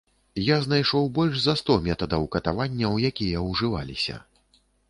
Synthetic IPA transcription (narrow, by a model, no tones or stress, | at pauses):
jaznajʂɔwbɔlʲʐzɐst̪ɔmʲɛt̪ɐd̪ɐwkɐt̪avanʲːɐwjakʲijɐwʐɨva̰lʲisʲɐ̰